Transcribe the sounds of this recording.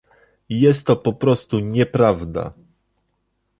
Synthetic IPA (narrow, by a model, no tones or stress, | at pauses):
jɛst̪ːɔpɔpɾɔst̪uɲɛpɾavd̪a̰